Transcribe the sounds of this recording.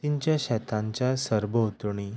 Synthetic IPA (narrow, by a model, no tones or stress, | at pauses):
t̪iɲt͡ɕjaɕɛt̪ʰãɲt͡ɕjasəɾbət̪ɳ̃i